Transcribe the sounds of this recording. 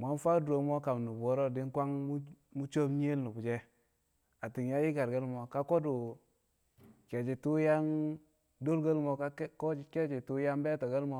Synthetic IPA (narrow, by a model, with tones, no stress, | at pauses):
mʷ˨a˨˦nfa˦du˨ɾo˨mo˦ka˨mnu˨bo˦ɾo˦di˦nkʷa˦ŋmu˦mu˦t͡ʃo˦bɲe˦lnu˨bu˨d͡ʒe˦ | a˨ti˨ŋja˦ji˦ɡa˨ɾɡə˦lmo˨ka˦ko˦du˨ | ke˨d͡ʒi˨tu˦ja˦ŋ | do˦lɡə˦lmo˨ka˦ko˦d͡ʒi˨ke˦d͡ʒi˨tu˦ja˦mbe˦to˨ɡə˦lmo˦